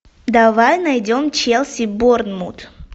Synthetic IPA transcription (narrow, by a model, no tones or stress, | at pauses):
d̪avajnajdʲomt͡ɕelˠsʲibornmut̪